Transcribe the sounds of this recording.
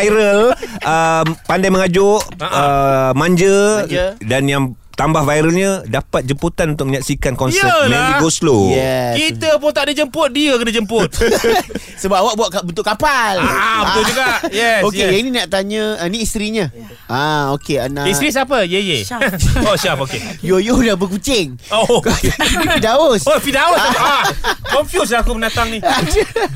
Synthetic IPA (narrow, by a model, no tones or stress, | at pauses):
jɾəlʔəpandajmə̃ŋad͡ʒʊʔəmãɲd͡ʒə | danjaŋ | t̪ambahvajɾəlɲə̃dapat̪̚d͡ʒəmput̪anunt̪ʊk̚məɲaksikankɔnəlaiɡoslojɛkit̪əpʊnt̪aʔdəd͡ʒəmpʊt̪̚diəkənəd͡ʒəmpʊt̪̚ | səbap̚awaʔ̚buaʔbənt̪̬ʊʔkːapalabəat̪ud͡ʒuɡaʔjɛsoejaininaʔt̪aɲə̃əniːst̪ɾiɲə | ʔaokea̰nãist̪ɾis̬apəjəjeoʃapokejojodabəkut͡ʃɪŋokfidaosofidaosakɔɱfjus̬lakubənat̪aŋnĩ